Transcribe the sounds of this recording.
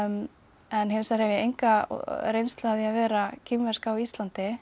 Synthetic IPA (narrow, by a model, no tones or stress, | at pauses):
ɛnɦɪnsaɾhɛvɪjɛejŋka̰ɾejnst̪laðiavɛːɾacʰɪmvɛr̥skawist̪lant̪ɪ